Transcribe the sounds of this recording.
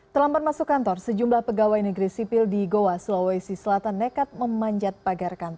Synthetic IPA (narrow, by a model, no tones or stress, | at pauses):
t̪əlambat̪̚masukːant̪ɔrsəd͡ʒumblahpəɡawajnəɡɾisipɪldiɡowasulowajsisəlat̪anːəkat̪̚məmaɲd͡ʒat̪̚paɡarkant̪ɔr